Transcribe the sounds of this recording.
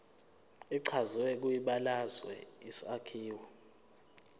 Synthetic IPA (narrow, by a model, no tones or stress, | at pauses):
iǀʰazwɛk̬ujiɓalazwɛ̰isakʰiːwɔ